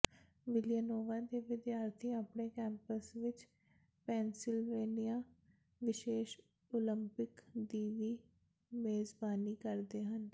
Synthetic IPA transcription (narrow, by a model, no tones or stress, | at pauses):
ʋɪlɪjənoːʋaːd̪eːʋɪd̪jaːɾt̪ʰiːaːpɳeːkɛ̃ːmpəsʋɪt͡ʃ | pɛːnsɪlʋeːnijaː | ʋɪʃeːʃ | oːlɪmpɪkd̪iːʋiː | meːzbaːniːkəɾd̪eːɦən